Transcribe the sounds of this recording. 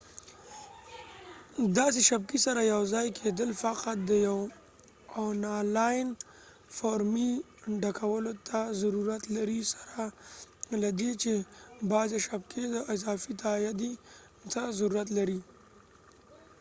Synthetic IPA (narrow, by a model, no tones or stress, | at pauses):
d̪ɑs̬eʃab̚kisaɾajawzɑjkʰed̪əlfaqat̪̚d̪əjaw | ɔnalajn | faɾmi | ɖakʰawəlot̪ʰazaɾuɾat̪laɾisḁɾa | lad̪et͡ʃebɑd͡ʒaʃab̚kʰed̪əɪzɑfit̪ajad̪i | t̪azaɾuɾat̪laɾi